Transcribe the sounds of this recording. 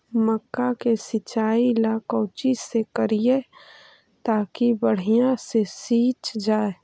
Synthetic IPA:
məkːakesɪt͡ʃaːilaːkɔ̃ːt͡ʃisekəɾije | t̪aːkibəɽ̤ijãsesiːt͡ʃd͡ʒaːe

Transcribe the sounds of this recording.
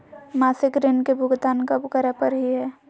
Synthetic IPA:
masɪkɾenkebʱʊɡd̪aːnkəbkəɾepəɾɦiɦɛː

